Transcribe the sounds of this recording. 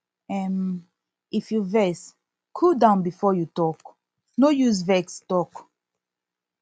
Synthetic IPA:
ɛm | ifjuvɛs | kʰudãʊ̃nbifɔjutɔk | nojuzvɛkstɔk

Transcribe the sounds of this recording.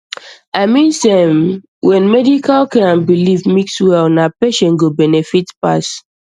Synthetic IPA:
aɪmĩnsɛm | wɛ̃nmɛdikalkɛãnbilivmikswɛlnapeʃɛ̃nɡobɛnɛfitpa̰s

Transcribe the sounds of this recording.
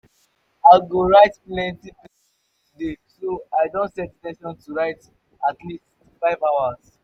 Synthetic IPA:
aɪɡoɹaɪtplɛ̃ntip | desoaɪdõntsɛttɛ̃nʃɔ̃ntuɹaɪt | atlist | faɪvaʊaz̥

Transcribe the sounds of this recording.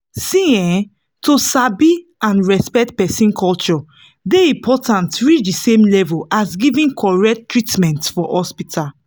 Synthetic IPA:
sĩɛ̃ | tosabiãnɹɛspɛk̚t̚pɛsĩnkʰɔlt͡ʃɔ | deĩmpʰɔtʰãntɹit͡ʃdisẽmlɛvulasɡivĩnkʰɔɹɛk̚ttɹitmɛ̃ntfɔhɔspitʰal

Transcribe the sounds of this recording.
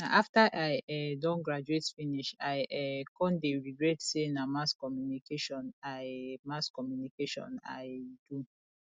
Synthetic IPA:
naʔaftaʔaɪɛdɔ̃nɡɹad͡ʒuetfiniʃaɪʔɛkʰɔ̃ndeɹiɡɹɛtsenamaskɔmjunikʰeʃɔ̃namaskɔmjunikeʃɔ̰̃na̰ɪdu

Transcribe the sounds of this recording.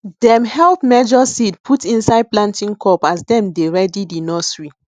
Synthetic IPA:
dɛ̃mhɛlpmɛd͡ʒɔsidpʰutĩnsaɪd̚plãntĩŋkʰɔpasdɛ̃mdeɹɛdidinɔsɹi

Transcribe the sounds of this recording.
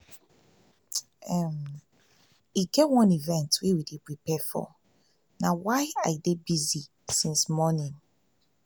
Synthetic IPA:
ɛm | iɡɛwɔ̃nivɛ̃ntwiwidipɹipɛfɔ̰ | nawaɪajdebizi | sĩnsmɔnĩn

